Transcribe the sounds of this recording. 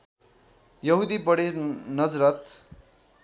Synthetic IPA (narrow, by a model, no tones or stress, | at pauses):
jʌɦud̪ibʌɽenʌd͡zrʌt̪